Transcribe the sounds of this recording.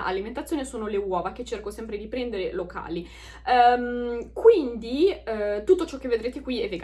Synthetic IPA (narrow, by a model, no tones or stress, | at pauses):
ʔa̰liment̪at̪sjonesoːnolewɔːvak̟et͡ʃːerkosɛmpɾed̪ipɾɛnd̪eɾelokʰa̰ːli | mkwind̪it̪ut̪ːot͡ʃɔk̟ːevːed̪ɾeːt̪ekwiɛvːeɡ